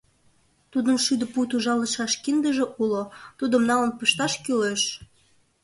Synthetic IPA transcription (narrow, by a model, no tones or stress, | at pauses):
t̪ud̪ənʃyd̪ə̆put̪uʒɑləʃɑʃkind̪əʒĕʔulot̪ud̪əmnɑlənpəʃt̪ɑʃkyleʃ